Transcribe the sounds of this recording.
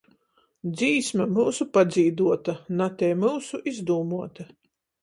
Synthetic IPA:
d̪ziːsmamuːsupad̪ziːd̪uɔt̪anat̪ɛːmuːsuʔizd̪uːmuɔt̪a

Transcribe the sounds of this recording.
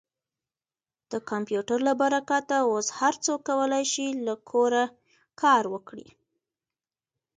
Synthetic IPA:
d̪̥əkampjuʈaɾlabaɾakat̪aoshaɾt͡sokːawəlajʃilakʰoɾa | kʰɑɾwəkɽḭ

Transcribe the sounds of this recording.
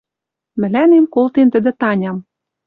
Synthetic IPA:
mɘ̆lænemkolt̪ent̪ə̆d̪ɘ̆t̪ɑnʲɑm

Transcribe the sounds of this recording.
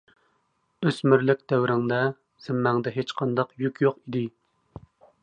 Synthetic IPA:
øsmɪɾlɪk̚ʲd̪̥ɛwɾɪŋd̪ɛ | z̥ɪmːæŋd̪ɛɦet͡ʃqʰɑnd̪ɑqjykʲʰjoqid̪ɪ

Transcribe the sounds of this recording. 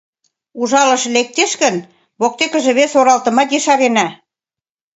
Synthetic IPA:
uʒɑlɤ̆ʃlek̚t̪eʃkə̆n | βok̚t̪ekə̆ʒĕβesoɾɑlt̪ɤ̆mɑt̪jeʃɑβenæ

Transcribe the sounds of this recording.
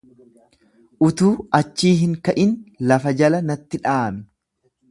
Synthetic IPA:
ʔʊt̪uːɐt͡ʃːiːɦɪŋkɐʔɪnlɐfɐd͡ʒɐlɐnɐt̪ːɪᶑaːmɛ

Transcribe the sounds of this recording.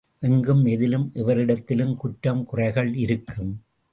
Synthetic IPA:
ʔɛŋɡɯmɛðɪlɯmʔɛʋɐɾɪɽɐt̪ːɪlɯmkʊʈːɐmkʊrɐɪɣɐɭɪɾɯkʰːɯm

